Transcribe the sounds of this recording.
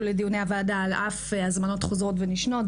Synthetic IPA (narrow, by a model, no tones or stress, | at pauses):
lediuneavaːdalafazmano̞tχozʁo̞tveniʃno̞t